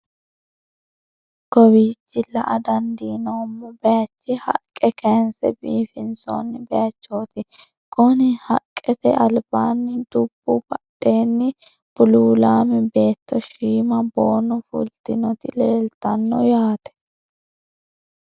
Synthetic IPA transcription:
ɡ̥ɔwiːt͡ʃːɪlːɐʔɐd̪ɐnd̪iːnoːmːɔbɛjɐt͡ʃːɪhɐ̰kʼːɛkɛnsɛ̰biːfɪnsɔ̰nːɪbɛjɐt͡ʃːoːt̪ɪ | ɡ̥ɔnɪhɐkʼːɛt̪ɛ̰ʔɐlbaːnːɪd̪ʊb̥ːubɐɗe̞ːnːɪ | b̥ʊluːlaːmɛbe̞ːt̪ːɔʃiːmɐboːnɔfʊ̰lt̪ɪnɔt̪ɪleːlt̪ɐnːɔjaːt̪ɛ̥

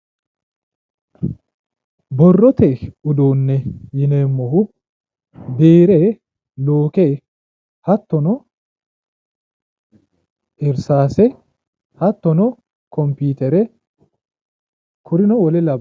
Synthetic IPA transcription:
bɔrːɔt̪ɛʊd̪oːnːɛjɪneːmːɔhʊ | beːɾɛ | loːke | hɐt̪ːɔnɔ | ʔɪɾsaːsɛ | hɐt̪ːɔnɔ | kɔmpiːt̪ɛɾɛ | kʊɾɪnɔwɔlɛlɐb

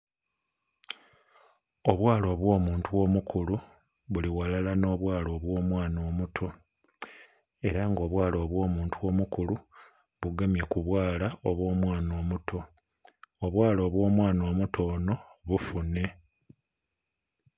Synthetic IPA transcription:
o̞βwaːlo̞ːβwo̞ːmuːntuwo̞ːmukʰulu | βuliwalalano̞ːβwaːlo̞ːβwo̞ːmwaːnoːmutʰo̞ | e̞ɾaŋɡo̞ːβwaːlo̞ːβwo̞ːmuːntʰuwo̞ːmukulu | βuɡemje̞kuβwaːlaoβwo̞ːmwaːno̞ːmutʰo̞ | oβwaːlo̞ːβwo̞ːmwaːno̞ːmutʰo̞ːno̞βufune̞

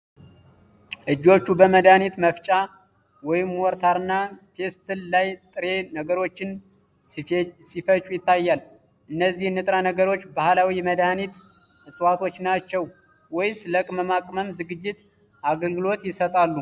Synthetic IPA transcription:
ʔɨd͡ʒːo̞t͡ʃːubəməd̪anit̪məft͡ʃʼa | wɔjɪmwɔɾt̪ʰaɾɨnːafe̞st̪ʰɨllajt̪ʼɨɾe̞nəɡəɾo̞t͡ʃːɪn | sifət͡ʃʼujɪt̪ːajːal | ʔɨnːəzːihnːɨt̪ʼɾanəɡəɾo̞t͡ʃːbahlawiməd̪anit̪ | ɨsʼwat̪ʰo̞t͡ʃːnat͡ʃːɛw | wɔjsɨləkʼməmakʼməmzɨɡɨd͡ʒːɪt̪ | ʔaɡəlɡɨlo̞t̪jɪsət̪ʼalːu

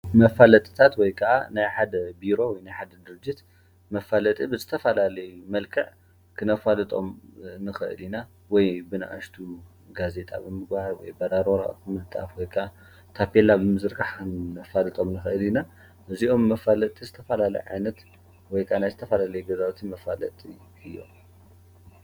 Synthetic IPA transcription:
mɐfalɐt̪ʼɨ̥t̪ʰat̪wɔjkʰɐʔa̰najħad̪ɐbiɾo̞wɔjnajħad̪ɐd̪ɨɾɨd͡ʒːit̪ | mɐfalɐt̪ʼibɨzɨt̪ʰɐfɐlalɐjumɐlkʰɨʕ | kʰɨnɐfalɨt̪ʼo̞̰mnɨxɨʔɨ̰lina | wɔjbɨna̰ʔaʃt̪ʰu | ɡaze̞t̪ʼa̰bɨmɨɡbahawɔ̰jbɐd̪aɾoɾa̰ʔɨmɨlɨt̪ʼːa̰fwɔjkʰʼa | t̪ʰapelabɨmɨzɨɾɡaħkɨnɐfalɨt̪ʼo̞mnɨxɨʔɨlina | ʔɨziʔo̞mːɐfalɐt̪ʼizɨt̪ʰɐfɐlalɐ̰jʕa̰jnɐt̪ | wɔjkʰanajzɨt̪ʰɐfɐlalɐjuɡɐzawt̪ʰimɐfalɐ̰t̪ʼi | ɨjːo̰

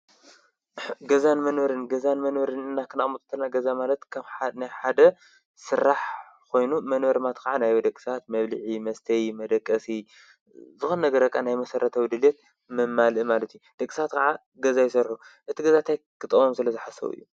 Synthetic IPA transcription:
ɡɐzanmɐnwɐɾɨnɡɐzanmɐnwɐɾɨnɨnːakʰɨnamut̪ʼt̪ʰːɐlnaɡɐzamalɐt̪kʰɐnajħad̪ɐ | sɨɾːaħ | kʰo̞jnumɐnβɐɾmat̪kʰɐʕanajod̪ɐkʼːi̥sat̪mɐβlɨʕimɐst̪ʰɐjimɐd̪ɐkʼːɐsi | zɨxonnɐɡɐɾɐkʼːanajmɐsɐɾʔɐt̪ʰɐwd̪ɨljet̪̚ | mɨmːalɨmalɐt̪ʰijud̪̥ɐkʼːisat̪kʰɐʕa | ɡɐzajɪsɐɾħuʔɨt̪ʰiɡɐzat̪ʰaj | kʰɨt̪ʼɐwomsɨlɐzɨħasɐ̰wɨ̰jːu

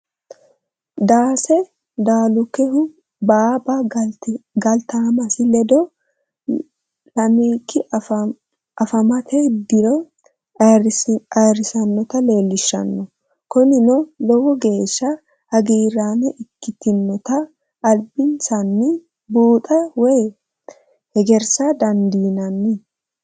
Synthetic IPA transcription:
d̪aːsɛ | d̪aːlʊkɛɦʊ | baːba | ɡɐlt̪aːmɐsɪlɛd̪ɔ | lɐmiːkːɪ | ɐfɐmɐt̪ɛd̪ɪɾɔ | ɐɾɪsɐnːɔt̪ɐle̞ːlːɪʃːɐ̰nːɔ | kɔnɪnɔlɔwɔɡe̞ːʃːɐ | hɐɡiːɾaːnɛʔɪkːɪt̪ɪnːɔt̪ɐː | lbɪnsɐnːɪ | buːt̪ʼɐwɛj | hɛɡɛɾsad̪ɐnd̪iːnɐnːɪ

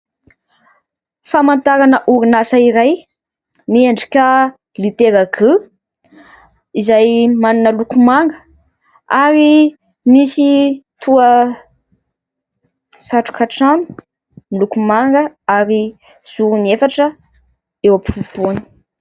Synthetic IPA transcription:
famant̪aɾanəʔuɾinasaiɾaj | mieɳɖ͡ʐi̥ka | lit̪eɾakʰə | izajmaninəlukumaŋɡə | aɾi | misit̪ʰuə | saʈ͡ʂu̥kaʈ͡ʂanu̥ | lukumaŋɡəaɾi | z̥uɾuniefaʈ͡ʂə | ewapifufoni̥

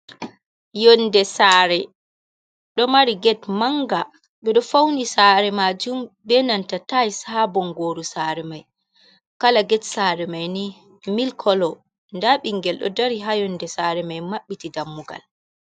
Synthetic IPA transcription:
jɔndɛsaɾɛ | ɗɔmaɾiɡɛtmaŋɡa | ɓɛɗɔfawnisaɾɛmad͡ʒumbɛnantatajsabɔŋɡoːɾusaɾɛmaj | kalaɡɛtsaɾɛmajni | milkʰɔlɔ | ndaɓiŋɡɛlɗɔ̰daɾiɦajɔndɛsaɾɛmajmaɓːitidamːuɡa̰l

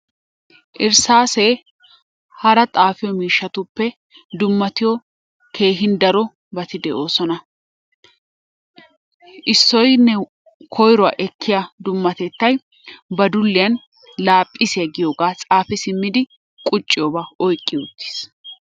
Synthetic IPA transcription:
ʔɪɾsaːseː | hɐɾɐt̪ʼaːfɪjɔmiːʃːɐt̪ʊpːɛ | d̪ʊmːɐt̪ɪjɔ | kʰe̞ːɦɪnd̪ɐɾɔ | bɐt̪ɪd̪ɛʔoːsɔnɐ | ʔɪsːɔjnɛ | kʰɔjɾɔa̰ːʔɛkʰːɪjad̪ʊmːɐt̪ɛt̪ːɐj | bɐd̪ʊlːɪjɐn | laːpʼːɪsɪɐɡɪjoːɡaːt͡sʼaːfɪsɪmːɪd̪ɪ | kʼʊt͡ʃʼːɪjɔbaɔjkʼːɪʊt̪ːi̥s

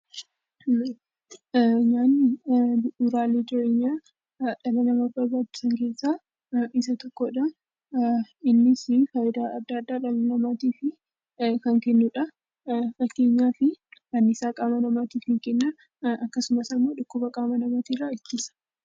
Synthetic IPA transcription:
ɲaːn | ʊɾaːleːd͡ʒɪɾeːɲːaː | ᶑɐlɐnɐmɐbɐɾbaːd̪ʊ̥sɐŋke̞ːsːaː | ɪs̬ɐt̪ɔkːoːᶑɐ | ɪnːɪsɪfɐjɪd̪aːɐd̪ːaɐd̪ːaːᶑɐlɐnɐmaːt̪iːfɪ | kɐŋkɛnːʊᶑɐ | fɐkːe̞ːɲːaːfɪɐnːɪsaːkʼaːmɐnɐmaːt̪iːfhɪŋkɛnːɐ | ɐkːɐsʊmɐsɐmːoːᶑʊkːʊbɐkʼaːmɐnɐmat̪iːrːaːɪt̪ːɪsɐ̥

